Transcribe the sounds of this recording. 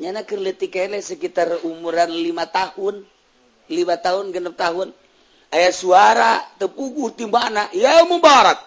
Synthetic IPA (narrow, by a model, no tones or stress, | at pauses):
ɲanakərlət̪ikalɛsəkit̪arumuɾanlimat̪ahun | limat̪aɦunɡənap̚t̪aɦun | ajasuaɾat̪əpuɡut̪imbanaʔjamumbɔɾak̚